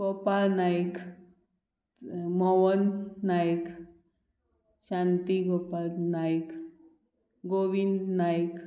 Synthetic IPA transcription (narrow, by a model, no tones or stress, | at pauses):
ɡɔpalnajk | mɔwənːajk | ɕãnt̪iɡɔpalnajk | ɡoʋind̪najk